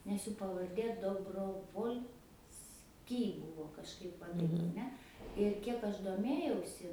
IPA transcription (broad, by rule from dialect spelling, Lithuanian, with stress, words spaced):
nʲɛs ˈjuː pɐʋɐrʲˈdʲeː doːbroːʋoːlʲˈsʲkʲiː ˈbʊʋoː kɐʃˈkɐɪp ˈʋɐ tɐɪp ɐˈnʲɛ ɪr ˈkʲiɛk ˈɐʃ doːˈmʲeːjɛʊsʲɪ